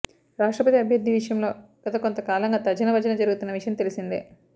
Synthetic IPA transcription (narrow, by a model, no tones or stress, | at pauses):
ɾaːʂʈɾɐpɐt̪iɐbʱjɐd̪ʱːiʋiʂɐjɐmlo̞ːɡ̥ɐt̪ɐkont̪ɐkaːlɐŋɡaːt̪ɐd͡ʒɐnɐʋɐd͡ʒɐnɐd͡ʒɐɾuɡut̪unːɐʋiʂjɐmt̪elisind̪ḭ